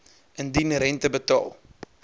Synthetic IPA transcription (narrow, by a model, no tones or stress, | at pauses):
əndinɾɛntəbətɑ̰ːlˠ